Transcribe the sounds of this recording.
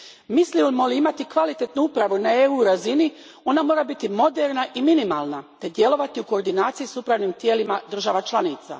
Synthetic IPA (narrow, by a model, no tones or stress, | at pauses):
misliolmoliimat̪ikʋalit̪e̞t̪nuupɾaʋunaeuɾazini | o̞namo̞ːɾabit̪imo̞d̪e̞ɾnaʔiminimaːlˠnat̪e̞d̪je̞lˠo̞ʋat̪iuko̞ːɾd̪inaːt̪sijisupɾaʋnimt̪je̞ːlimad̪r̩ʒaʋat͡ʃlˠanit̪sa̰